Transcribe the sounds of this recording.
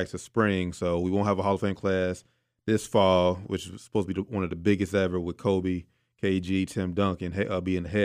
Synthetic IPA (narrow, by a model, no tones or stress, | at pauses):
k̚tʰɨspɹɪ̃ŋsoʊwiwõʊ̃ntɦəvəɦɑlˠəfõɪ̃nkʰl̥æs | ðɪsfɔlˠwɨt͡ʃɨzsə̥oʊztʰəbiwʌ̃nʌvðɨbɪɡɨstɛvə˞wəð̥kʰoʊbi | kʰeɪd͡ʒitʰɪ̃mdʌ̃ŋkɨ̃nʌbiɨ̃nðɨɦɛ